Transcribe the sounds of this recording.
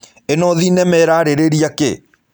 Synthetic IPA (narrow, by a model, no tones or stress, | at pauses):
enɔðinɛmɛɾaɾeɾeɾiakḛ